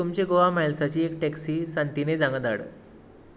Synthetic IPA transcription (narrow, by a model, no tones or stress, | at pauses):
umt͡ɕeɡoʋamajlsat͡ɕiːekʈɛksiːsant̪ined͡zãŋɡəd̪a̰ɽə̰